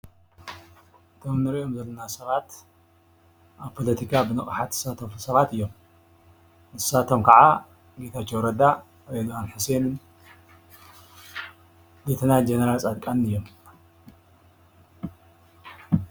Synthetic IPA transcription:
ʔɨt̪ʰo̞mnɨɾiʔo̞mzɐlːɐnasɐβat̪ | ʔaβpʰo̞lɐt̪ʰikʰabɨnɨχʼħat̪ɨ̥sat̪ʰofusɐβat̪ɨjːo̞m | nɨsat̪ʰo̞mkʰaʕa | ɡe̞t̪ʰat͡ʃːowɾɐd̪a | ɾed̪owanħuse̞nɨn | ɡet̪ʰɐnad͡ʒenɐɾalt͡sʼad̪kʼanɨjːo̞m

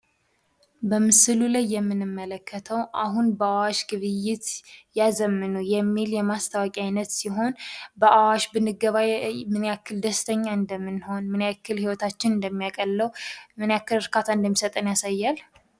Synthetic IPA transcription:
bəmɨsɨlulajːɛmːɨnɨmːələkːət̪ʰəwʔaɦunbəawaʃɡɨβɨjːɪt̪jazəmːɨnuwjɛmːiljɛmast̪ʰawakʼiajnət̪siɦo̞nbəʔawaʃbɨnɨɡəβajmɨnjakːɨld̪əst̪ʰəɲːaɨnd̪əmːɨnho̞nmɨnjakʰːɨlhiwɔt̪ʰat͡ʃːɪnɨnd̪əmːijakʼəlːəwmɨnjakːɨlɨɾkat̪ʰaɨnd̪əmːisət̪ʼənjasajːal

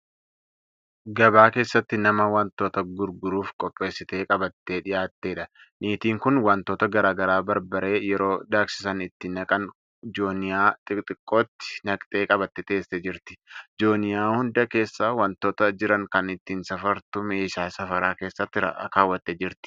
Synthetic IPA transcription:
ɡɐbaːke̞ːsːɐt̪ːɪnɐmɐwɐnt̪oːt̪ɐɡʊɾɡʊɾuːfkʼɔpʼːe̞ːsːɪt̪e̞ːkʼɐbɐt̪ːeːᶑɪjaːt̪ːe̞ːᶑɐ | niːt̪iːŋkʊnwɐnt̪o̞ːt̪ɐɡɐɾaːɡɐɾaːbɐɾbɐɾe̞ːjɛɾo̞ːd̪aːksɪ̥sɐnɪt̪ːɪnɐkʼɐn | d͡ʒoːnɪjaːt̪ʼɪt̪ʼɪkʼːoːt̪ːɪ̥nɐkʼt̪ʼe̞ːkʼɐbɐt̪ːɛt̪e̞ːsːed͡ʒɪɾt̪ɪ̥d͡ʒoːnɪjaːhʊnd̪ɐke̞ːsːaːwɐnt̪oːt̪ɐd͡ʒɪɾɐŋkɐnɪt̪ːiːnsɐfɐɾt̪ʊmeːʃaːsɐfɐɾaːke̞ːsːɐt̪ːɪɾɐ̰ʔkaːwːɐt̪ːeːd͡ʒɪɾt̪ɪ̥

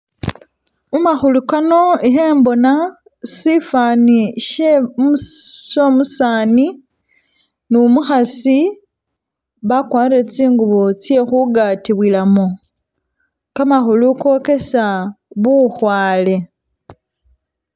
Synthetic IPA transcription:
umaxulukano̞iɦeːmbo̞na | sifaːniʃe | ʃomusaːni | numuxasi | βakwaːiɾet͡siːŋɡuβot͡sje̞xuɡatiβwilamo | kamaxuluko̞ke̞saβuxwaːle̞

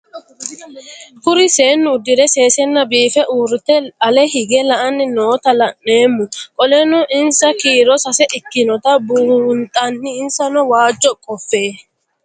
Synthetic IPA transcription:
kʊɾɪseːnːʊːd̪ːɪɾɛseːsɛnːɐbiːfɛʔuːɾɪt̪ɛɐlɛhɪɡɛlɐʔɐnːɪnoːt̪ɐlɐʔeːmːʊkʼɔlɛnʊʔɪnsɐkiːɾɔsɐsɛʔɪkːɪnɔt̪ɐbuːnt̪ʼɐnːɪɪnsɐnɔwaːd͡ʒːɔkʼɔfːeː

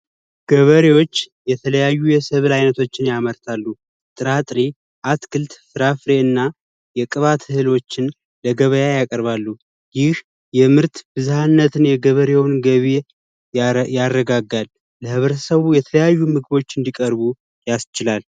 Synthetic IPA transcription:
ɡ̥əβəɾewo̞t͡ʃːjɛt̪ʰələjajːujɛsəβlajnət̪ʰo̞t͡ʃːɪnjaməɾt̪ʰalːu | t̪ʼɨɾat̪ʼɾi | ʔat̪kʰɨlt̪fɨɾafɾe̞ɨnːa | jɛkʼɨβat̪ʰɨhɨlo̞t͡ʃːɪn | ləɡəβəjajakʼəɾβalːu | jɪh | jɛmɨɾt̪bɨzuhanːət̪ʰɨnjɛɡəβəɾewnɡəβe | jarːəɡaɡalː | əhɨβɾət̪ʰsəβujɛt̪ʰələjajːumɨɡɨβo̞t͡ʃːɨnd̪ikʼəɾβu | jast͡ʃɪlal

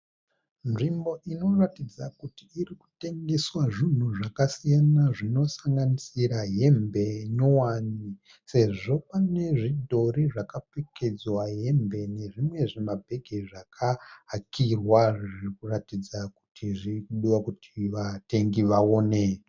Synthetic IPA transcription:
nʐimbo̞ʔino̞ratid͡zakutiːriku̥te̞ŋɡe̞swaʐin̤uʐakasijanaʐino̞saŋɡanisiɾaɦe̞mbe̞no̞wani | se̞ʐo̞pane̞ʐidʱo̞riʐakapeke̞d͡zwaɦe̞mbe̞ne̞ʐimwe̞ʐemabʱe̞ɡʱeʐakʰaɦːkʰirwaʐirikuratid͡zaku̥tʰiʐikuɗiwakutʰiʋate̞ŋɡiʋaoːne

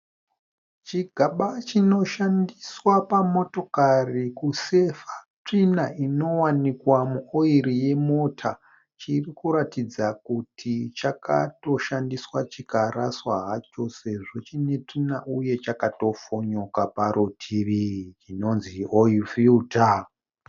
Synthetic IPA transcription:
t͡ʃiɡʱaɓat͡ʃino̞ʃandiswapamo̞to̞karikuse̞fḁ | t͡ʂinaino̞wanikwamuoiɾije̞mo̞tʰa | t͡ʃirikuɾatid͡zakutʰit͡ʃaka̰to̞ʃandiswat͡ʃikaɾaswa̰ɦat͡ʃo̞se̞ʐo̞t͡ʃine̞t͡ʂinaʔuje̞t͡ʃakato̞foɲokapaɾʔutʰiʋit͡ʃino̞nzioifiuta

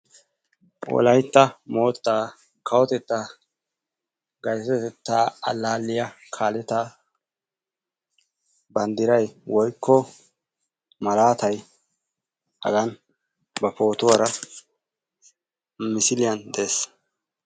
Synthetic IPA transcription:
wɔ̰lɐjt̪ːɐmo̞ːt̪ːaː | kʰɐwɔt̪ɛt̪ːa | ɡɐjsɐɛt̪ɛt̪ːaːɐ̰lːaːlːɪjɐkʰaːlɛt̪a | bɐnd̪ɪɾɐjwɔjkʰːɔ | mɐlaːt̪ɐj | hɐ̰ɡɐn | bɐpo̞ːt̪ʊwɐɾɐ | mɪsɪlɪjɐnd̪e̞ːs

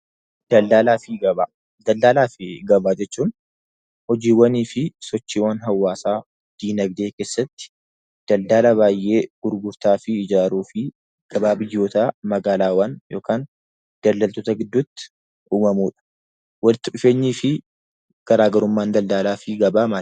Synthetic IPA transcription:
d̪̥ɐld̪aːlaːfɪɡɐbaː | d̪ɐld̪aːlaːfɪɡɐbaːd͡ʒɛt͡ʃːuːn | hɔd͡ʒiːwɐniːfɪsɔt͡ʃːiːwɐnɦɐwːaːsaː | d̪̥iːnɐɡd̪e̞ːke̞ːsːɐt̪ːɪ̥ | d̪̥ɐld̪aːlɐβaːjʔe̞ːɡ̥ʊɾɡʊɾt̪aːfɪɪd͡ʒaːɾuːfɪ | ɡ̥ɐbaːbɪjːo̞ːt̪aːmɐɡaːlaːwɐnjo̞ːkʰaːn | d̪̥ɐld̪ɐlt̪ɔt̪ɐɡɪd̪ːʊt̪ːɪ̥ | uːmɐmuːᶑɐ̥ | wɐlɪt̪ːɪᶑɪfeːɲːiːfɪ | ɡ̥ɐɾaːɡɐɾʊmːaːnd̪ɐld̪aːlaːfɪɡɐbaːmaː

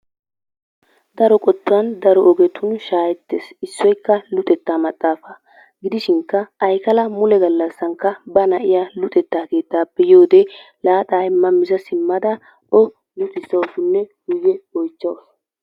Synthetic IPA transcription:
d̪ɐɾɔkʼɔt̪ːʊwɐnd̪ɐɾɔʔɔɡɛt̪ʰʊnʃaːjɛt̪ːḛːsɪsːɔjkːɐlʊt̪ʼɛt̪ːaːmɐt̪ʼːaːfɐ | ɡɪd̪ɪʃɪŋkːɐːjkɐlɐmʊlɛɡɐlːɐsːɐŋkːɐbɐnɐʔɪjalʊt̪ʼɛt̪ːaːke̞ːt̪ːaːpːɛjoːd̪e | laːt̪ʼaːɪmːɐmɪzɐsɪmːɐd̪ɐ | ɔ | lʊt̪ʼɪsːɐwsʊnːɛɡʊjːɛɔjt͡ʃːɐwɐs

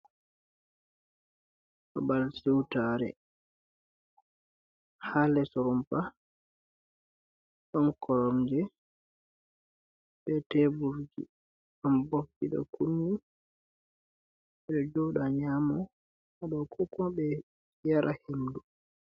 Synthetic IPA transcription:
ʔa̰balsɛwtaɾɛ̰ | halɛsɔɾɔmpa | ɗɔnkʰɔɾɔmd͡ʒɛ | ɓɛtɛbuɾd͡ʒḭ | ambop̚ːiɗɔ̰kunːi | ɛɗɔd͡ʒɔɗaɲamɔ | ʔaɗɔkʰɔkɔbɛ | jaɾʔahemdu

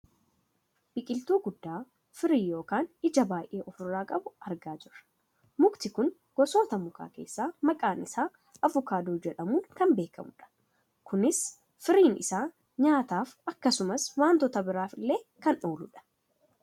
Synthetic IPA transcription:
b̥ɪkʼɪlt̪uːɡʊd̪ːaː | fɪɾiːjo̞ːkaːnɪd͡ʒɐbaːjʔe̞ːʔɔfʊrːaːkʼɐbʊʔɐɾɡaːd͡ʒɪrːɐ̥ | mʊkt̪ɪkʊn | ɡ̥ɔso̞ːt̪ɐmʊka̰ːke̞̰ːsːaːmɐkʼaːnɪsaː | ʔɐvʊkaːd̪oːd͡ʒɛᶑɐmuːnkɐmbe̞ːkɐ̰mʊᶑɐ̥ | kʊnɪs | fɪɾiːnʔɪ̰saː | ɲaːt̪aːfɐkːɐsʊmɐswaːnt̪ɔt̪ɐbɪɾaːfɪlːe̞ːkɐnoːlʊᶑɐ̥

